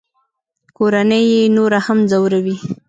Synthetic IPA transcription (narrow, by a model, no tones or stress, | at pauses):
koɾanəjenoɾahamzawɾawi